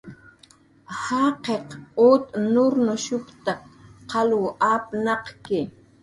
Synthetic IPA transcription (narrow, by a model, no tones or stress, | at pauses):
hɑqeqot̪nʊɾnʊʃʊkt̪akqɑlwʊʔapnɑqkɪ